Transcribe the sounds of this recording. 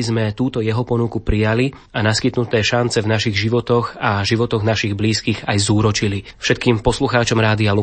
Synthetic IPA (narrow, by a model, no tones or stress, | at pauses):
izmɛt̪uːt̪ɔjɛɦɔpɔnukupɾijali | anaskit̪nut̪ɛːʃant͡sɛvnaʃiɣʒiʋɔt̪ɔɣaʒiʋɔt̪ɔɣnaʃiɣbliːskiːɣajzuːɾɔt͡ʃilifʃɛt̪̚kiːmpɔsluxaːt͡ʃɔmɾaːd̪ialu